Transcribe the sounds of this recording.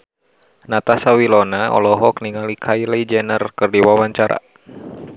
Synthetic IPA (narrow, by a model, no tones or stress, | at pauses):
nat̪asawilɔnaɔ̰lɔɦɔk̚niŋalikʰailɛid͡ʒɛnərkɨrdiwawaɲt͡ʃaɾa̰